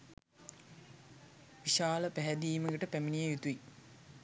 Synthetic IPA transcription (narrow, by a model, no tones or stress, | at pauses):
ʋiʃaːləpæɦɛd̪iːməɡəʈəpæminijəjut̪uʋi